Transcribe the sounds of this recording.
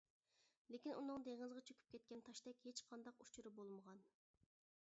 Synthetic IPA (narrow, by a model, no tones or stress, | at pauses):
lekʲinʔunɨŋd̪eŋɨzʁɑt͡ʃʰøkʲy̥p̚kʲɛt̪̚kʲɛnt̪ʰɑʃt̪ɛkʲhet͡ʃqʰɑnd̪ɑqut͡ʃʰuɾɨbolˠməʁɑn